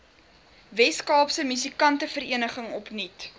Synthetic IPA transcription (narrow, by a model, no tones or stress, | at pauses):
vɛskɑːpsəmysikɐntəfəɾiənəχəŋɔpnit